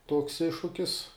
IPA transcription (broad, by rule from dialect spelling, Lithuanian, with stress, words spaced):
tuɔks ˈɪʃʃʊkʲɪs